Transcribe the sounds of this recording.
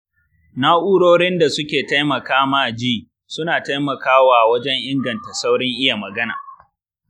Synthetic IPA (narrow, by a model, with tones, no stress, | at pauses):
naː˦ʔuː˦ɽoː˦ɽɪ˦nda˨sʊ˦kʲeː˨ta˦jmɐ˨kaː˦maː˦˨d͡ʒiː˦ | sʊ˦naː˨ta˦jmɐ˨kaː˦waː˨wɐ˦d͡ʒɛ˦ŋʔɪ˦ŋɡɐ˨nta˨sa˦wɽɪ˦ŋʔɪ˦ja˨mɐ˨ɡɐ˦na̰ː˨